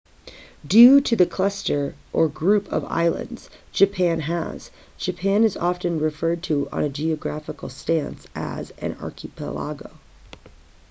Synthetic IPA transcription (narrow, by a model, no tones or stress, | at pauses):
dʉɾɨðɨkʰl̥ʌstə˞ʔə˞ɡɹʉpʰʌ̰va̰ɪlˠə̰̃ndz̥d͡ʒɨpʰæ̃næ̰z̥ | d͡ʒɨpʰæ̃nɨzɑfɨ̃nɹɨfɜ˞d̚tʰɨə̰̃nɨd͡ʒiɨɡɹæfəkl̩ˠstæ̃nsʔɨ̰zɨ̰̃nɑ̰ɹkʰɨpʰə̰lɑ̰ɡo̰ʊ